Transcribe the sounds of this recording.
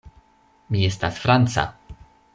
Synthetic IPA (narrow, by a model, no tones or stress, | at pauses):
mʲijɛst̪asfɾant̪sa̰